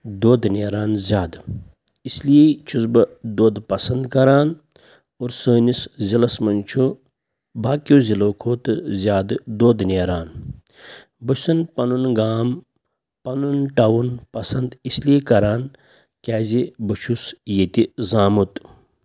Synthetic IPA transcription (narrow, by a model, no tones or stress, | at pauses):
d̪oːd̪nʲeːɾaːnzʲaːd̪ | islit͡ʃʰusbɨd̪oːd̪pɐsɐnd̪kɐɾaːn | oɾsəːniszilɐsmɐnt͡ʃʰu | baːkjoːziloːkʰoːt̪ɨzʲaːd̪ɨd̪oːd̪neːɾaːn | bɨsɐnpɐnunɡaːm | pɐnunʈɐwunpɐsɐnd̪isliːkɐɾaːn | kʲaːzibɨt͡ʃʰusjet̪izaːmut̪